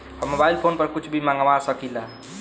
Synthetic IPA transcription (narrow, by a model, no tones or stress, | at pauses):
ɔmobailpʰonpəɾkut͡ʃʰbʱimaŋɡʋasəkila